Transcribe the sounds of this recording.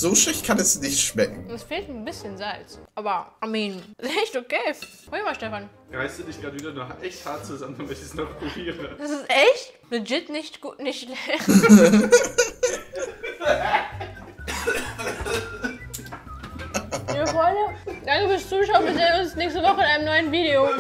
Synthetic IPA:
z̥oːʃɪçtkʰanɛsnɪçtʃmɛk̚ŋ̩ɛsfeːltn̩bɪsçənzalt͡sʔʔaːbɐʔamiːnɛçtokeː | hoːəmaːʃtɛfan | ʁaɪstd̥uːdɪçɡ̥ʁaːtviːdɐnuʔɛçthaɐt̚t͡suzamənmɛçəsnɔχpʁ̥obiːʁəd̥asɪstʔɛçtnʊd͡ʒɪtnɪçtɡ̥ṵːtnɪçtlɛx | iːfɔanəd̥aŋkəfyɐst͡suːʃaʊənbɪzeʊnsnɛːçstəvɔχəɪnʔaɪnəmnɔʏənviːɾeo

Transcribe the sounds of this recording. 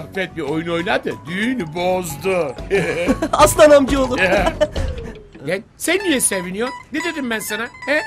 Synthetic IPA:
fɛt̪̚biojunojunˠaɾd̪ɯd̪ynbozd̪ʊ | aslˠanamɟiolˠ | ɛnsænd̪ijɛsevinijoɾned̪ed̪imbænsanahɛ

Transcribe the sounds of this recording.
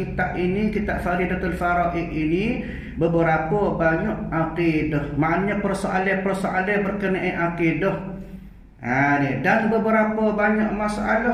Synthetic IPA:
it̪aʔinikit̪aʔfaɾidat̪əlfaɾɔʔiʔini | bəbəɾapɔbaɲɔʔakedɔhmaʔanɲapərsoʔalɛhpərsoʔalɛbərkənaʔiʔakidɔh | adedanbəbəɾapɔbaɲaʔmasaʔala

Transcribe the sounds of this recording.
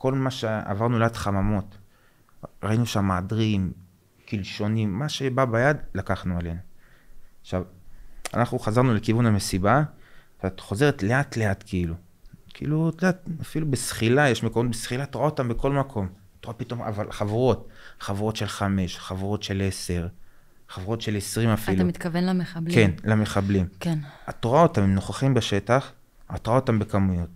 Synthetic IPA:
ko̞lmaʃea̰vaʁnuleatχamamo̞t̪ | ʁainuʃamːaːdʁim | kilʃo̞nimːaʃe̞babajad̪lakaχnuale̞nu | aχʃava̰naχnuχazaʁnule̞kivuname̞sibaveatχo̞ze̞ʁetle̞at̪le̞at̪kʰiilu | kʰḭːlutodat̪̚afilubesχilajeʃme̞ko̞mo̞t̪̚besχilatoʁaotambeko̞lmakʰo̞mat̪oʁapito̞mʔa̰valχavuʁo̞tχavuʁo̞tʃe̞lχame̞ʃχavuʁo̞t̪ʃe̞le̞se̞ʁ | χavuʁo̞tʃe̞le̞sʁimafilamit̪kavenlameakenlame̞χablimkenatoʁao̞tamimno̞χaχimbeʃe̞taχ | at̪oʁao̞tambekamujo̞t̪̚

